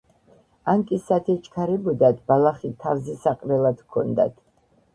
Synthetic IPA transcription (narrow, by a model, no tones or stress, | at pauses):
aŋkʼisat̪ʰɛt͡ʃʰkʰaɾɛbɔd̪at̪balˠaχit̪ʰavzisaqʼɾɛlˠad̪̥kʰɔ̰nd̪a̰t̪ʰ